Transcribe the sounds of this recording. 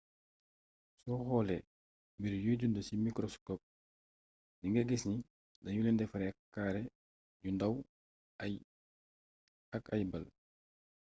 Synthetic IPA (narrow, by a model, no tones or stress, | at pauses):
sɔhɔːlɛ | mbiɾjuːɟundəsimikɾɔskɔp̚ | niŋɡɛɡɛsni | dajulɛndɛfaɾɛakkːaːɾɛ | ɟundaw | akajbal